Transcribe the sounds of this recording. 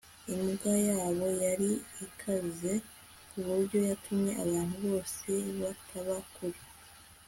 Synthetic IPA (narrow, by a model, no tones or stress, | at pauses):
imɡajaːβo̞jaɾiikʰaze̞ | kuβuɾɟo̞jatʰumɲe̞ʔaβaːn̥huβo̞ːse̞βatʰaβakuɾe